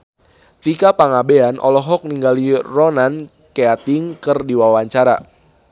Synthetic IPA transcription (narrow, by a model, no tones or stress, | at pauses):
t̪ikapaŋabeanʔɔ̰lɔɦɔk̚niŋɡalirɔnan | keat̪iŋkɨrdiwawaɲt͡ʃaɾa̰